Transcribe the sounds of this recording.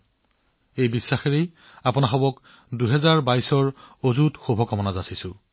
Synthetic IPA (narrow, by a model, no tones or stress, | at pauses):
ejbisːaxeɹej | apʊnaxɔbɔk | duɦɛzaɹbajsɔɹozutxubʱɔkɔmɔnazasisʊ̃